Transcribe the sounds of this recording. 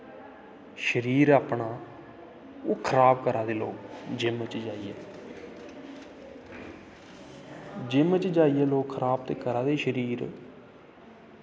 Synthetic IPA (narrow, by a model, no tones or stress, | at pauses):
ʃəɾiːɾaːpɳaː | oːkʰəɾaːbkəɾaːd̪eːlo̰ːkd͡ʒɪmət͡ʃd͡ʒaːiːɛ̰ː | d͡ʒɪmət͡ʃd͡ʒaːiːɛːloːkkʰəɾaːb̚t̪eːkəɾaːd̪eːʃəɾiːɾ